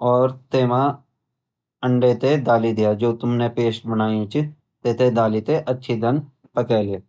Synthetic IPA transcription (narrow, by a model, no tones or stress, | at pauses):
ɔːɾt̪eːmã | ə̃ɳɖet̪ed̪aːlid̪ɪjaːd͡ʒoːt̪ʊmnepeːʃbənaːjẽt͡ʃ | t̪et̪ed̪aːlit̪eʔətːʃʰid̪ən | pəkɛːle